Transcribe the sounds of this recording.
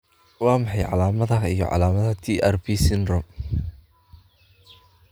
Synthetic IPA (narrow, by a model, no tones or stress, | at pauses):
wɑːmɑħɑjʕɑ̰laːmɐðɐijɔ̰ʕɑ̰laːmɐðɐt̪ʰiːʔɛrbiːsɪnrɔ